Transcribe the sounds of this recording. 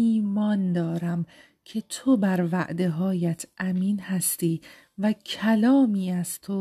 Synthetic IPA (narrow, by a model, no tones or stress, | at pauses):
iːmɒːnd̪ɒːɾæm | cʰe̞t̪ʰobæɾvæ̰ʔd̪e̞ɦɒːjæt̪ʰʔæmiːnhæst̪iː | væcʰælɒːmiːæzt̪ʰo